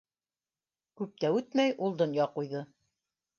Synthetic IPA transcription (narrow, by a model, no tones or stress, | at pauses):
kʉp̚t̪æʉt̪mæjʔulˠd̪ŏnjɑqujðɤ